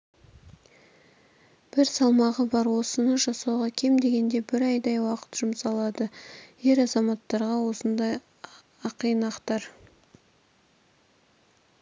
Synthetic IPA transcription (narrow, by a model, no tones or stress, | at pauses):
b̥ɪɾsɑlˠmɑʁəbɑɾwo̞sənəʒɑsɑwʁɑkʲʰe̞md̪e̞ɡʲe̞nd̪e̞bɪɾɑjd̪ɑjwɑqə̥t̪ʒ̥ʊmsɑlˠɑd̪əje̞ɾɑzɑmɑt̪ːɑɾʁɑwo̞sənd̪ɑj | ɑqəjnɑqt̪ɑɾ